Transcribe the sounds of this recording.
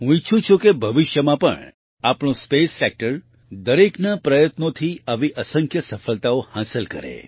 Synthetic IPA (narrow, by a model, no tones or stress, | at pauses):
ɦũit͡ʃʰũt͡ʃʰukebʱəʋɪʃjəmãpə̰ɳ | apɳ̃õspesːek̚ʈəɾ | d̪əɾeknapɾəjət̪not̪ʰiaʋiʔəsə̃ŋkʰjəsəfəlt̪aohãsəlkə̰ɾḛ